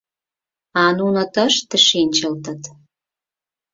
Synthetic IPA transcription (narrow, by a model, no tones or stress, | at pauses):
ɑnunot̪əʃt̪ə̆ʃenʲt͡ɕəlt̪ə̆t̪